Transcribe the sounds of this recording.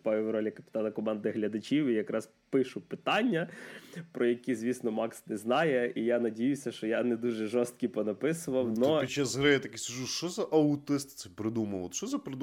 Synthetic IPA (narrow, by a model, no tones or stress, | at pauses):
pajʲɪʋɾɔlʲɐkɐpʲɪt̪ɑnɐkɔmɑnd̪ɪɦlʲɐd̪ɐt͡ʃiwijɐkɾɑz | pɪʃʊpɪt̪ɑnʲːɐpɾɔjɐkʲizʲʋʲisnɔmɑksnɛznɑjɛijanɐdʲijʊsʲɐʃt͡ʃɔjanɛd̪uʒɛʒɔst̪̚kʲipɔnɐpɪsʊʋɐwnɔpʲit͡ʃːazɦɾɪjat̪ɐkiskɐʒuʃt͡ʃɔzɐʔɐʊt̪ɪst̪t̪sɛpɾɪd̪umɐwɔʃt͡ʃɔzɐpɾɪd̪u